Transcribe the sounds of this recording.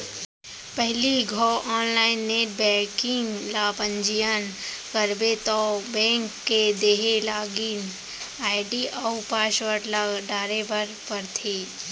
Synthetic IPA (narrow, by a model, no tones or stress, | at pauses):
pəɦliɡʱɔʔɔːnlaːɪnːeːʈ̚bɛ̃ːkɪ̃ŋɡlaːpə̃ɲd͡ʒijən | kəɾbet̪ɔːbɛ̃ːŋkːed̪eːɦelaːɡiːn | aːɪɖiʔawpaːʃʋəɾlaɖaːɾebəɾpəɾt̪ʰeː